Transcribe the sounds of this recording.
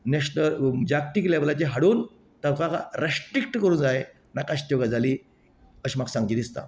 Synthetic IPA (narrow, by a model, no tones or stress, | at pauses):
neɕnəɾd͡ʑak̚ʈ̪ikleblat͡ɕeɦaɽuːn | t̪əʋkaka̰ɾesʈɾik̚ʈkəɾuːnd͡zae | nakaɕt̪joɡad͡zʱaliː | əɕimaksãŋɡd͡ʑid̪ist̪a̰